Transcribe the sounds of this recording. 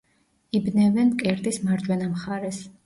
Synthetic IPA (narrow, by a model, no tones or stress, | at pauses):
ibnɛvɛnkʼɛɾt̪ʼismaɾd͡ʒʼwɛnamχaɾɛs